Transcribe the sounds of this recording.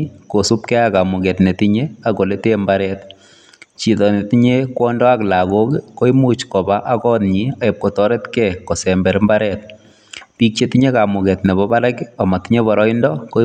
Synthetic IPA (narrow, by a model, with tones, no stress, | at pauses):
ko˨su˦pkɛ˦aka˨mʊ˨kɛ˨tne˨tiɲeako˨le˦tembaɾɛt | t͡ʃi˨tɔ˨neti˦ɲe˦kwɔ˦ndɔ˦a˦kla˨ko˦kko˦imu˦t͡ʃkɔ˨ba˦ʔakɔ˦nɲia˨ɪ˨p̚kɔ˨tɔɾɛ˦tkɛkɔ˨sɛmbɛ˨ɾmbaɾɛt̚ | pi˦k̚t͡ʃe˦ti˦ɲe˦ka˨mʊ˨kɛ˨tne˨bɔba˦laka˨ma˨ti˦ɲe˦bɔɾɔ˦indɔko˦